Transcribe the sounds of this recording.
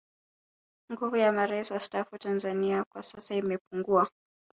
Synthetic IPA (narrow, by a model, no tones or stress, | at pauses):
ŋɡuvujamaɾaisiwastafutanzaniakwasasaimɛpuŋɡua